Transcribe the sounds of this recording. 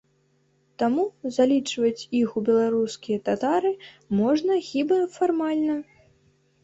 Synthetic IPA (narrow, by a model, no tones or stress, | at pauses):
t̪amuzalʲit͡ʂvɐt͡sʲixubʲɛlˠaɾuskʲijɐt̪at̪aɾɨ | mɔʐnɐxʲibɐfarmalʲnɐ